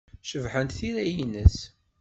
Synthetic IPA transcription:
ʃəvħənt̪θiɾæjinəs

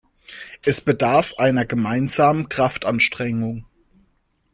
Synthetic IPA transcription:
ʔɛsb̥ədaɐfʔaɪnɐɡəmaɪnzaːmənkʁ̥aftʔanʃtʁ̥ɛŋʊŋ

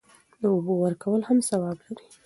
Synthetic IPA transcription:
d̪əʊbowəɾkawəlhamsawɑblaɾi̥

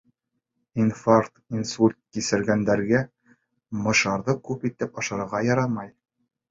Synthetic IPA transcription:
infaɾt̪insulʲt̪̚kisɘ̆ɾɡænd̪æɾɡæ | mɤ̆ʃɑɾðɤkʉpit̪ɘpɑʃɑɾɤ̆ɾʁɑjɑɾɑmɑj

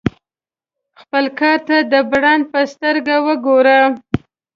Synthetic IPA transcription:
xpəlkɑɾt̪ad̪əbɽɑn̚pəst̪əɾɡawəɡoɾa

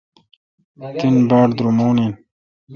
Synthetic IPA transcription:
t̪inbaːɽd̪ɾumoːnin

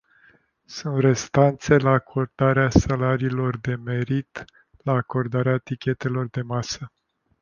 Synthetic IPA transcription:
sunt̪re̞st̪ant̪se̞laːkʰo̞rd̪̥aɾeasalaɾiːlo̞rd̪e̞me̞ɾit̪ | laːko̞rd̪aɾeat̪ikʲe̞t̪e̞lo̞rd̪e̞masə

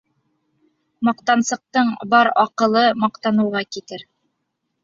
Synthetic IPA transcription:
mɑqt̪ɑnsɤ̆q̚t̪ɤɴbɑɾɑqɤ̆lˠɤmɑqt̪ɑnɤ̆wʁɑkit̪ɘɾ

